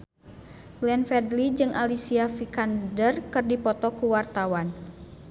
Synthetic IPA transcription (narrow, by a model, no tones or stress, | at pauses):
lɛnfɛrdlid͡ʒɨŋʔalisiafikandərkɨrdipɔt̪ɔkuwart̪awan